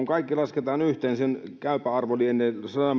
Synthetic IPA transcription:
uŋkɑikːilɑsket̪ɑːnyht̪eːnsenkæˑypæɑrʋolienːesɑnɑm

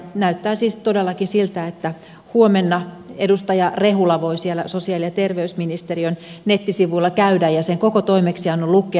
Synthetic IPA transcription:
næyt̪ːæːsiːst̪odelːɑkinsilt̪æet̪ːæ | huomenːɑedust̪ɑjɑrehulːɑʋoisielæ̰sosiɑˑlijɑt̪erʋeysminist̪erionnet̪ːisiʋuilːɑkæydæjjɑseŋkokot̪oimeksiɑnːolukːˑe

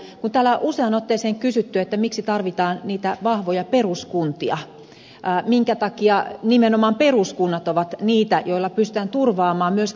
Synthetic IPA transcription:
kunt̪æːlːæʔuseɑnot̪ːeːseːŋkysyt̪ːyet̪ːæmiksit̪ɑrʋit̪ɑːnniːt̪æʋɑhʋojɑperuskunt̪iɑ | miŋkæt̪ɑkiɑnimenomɑːmperuskunːɑt̪oʋɑt̪niːt̪æjoilːɑpyst̪t̪æːnt̪urʋɑːmɑːmmyøs

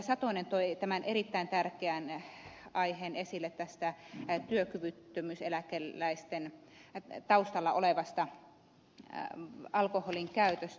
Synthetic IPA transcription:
sɑt̪onent̪oit̪æmænʔerit̪ːæint̪ærkeæn | ɑiheːnesilːet̪t̪æst̪æt̪yøkyʋyt̪ːømyselækelːæist̪en | t̪ɑust̪ɑlːɑʔoleʋɑst̪ɑ | ɑlkoholiŋkæyt̪øst̪

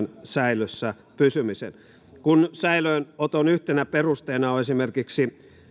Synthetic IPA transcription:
nsæiløsːæ | pysymisḛn | kunsæiløinot̪onyht̪enæperust̪eːnɑoesimerkiksi

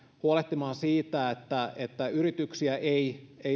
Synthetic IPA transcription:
huoleht̪imɑːnsiːt̪æet̪ːæet̪ːæyɾit̪yksiæʔeie

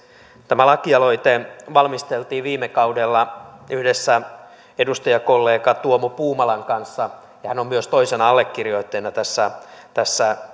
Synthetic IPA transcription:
t̪æmælɑkiɑloit̪eʋɑlmist̪elt̪iːʋiːmekɑudelːɑyhdesːæ | edust̪ɑjɑkolːeːkɑt̪uomopuːmɑlɑŋkɑnsːɑ | jɑhænommyøst̪oisenɑɑlːekːirjoit̪ːeinːɑt̪æsːæt̪æsːæ

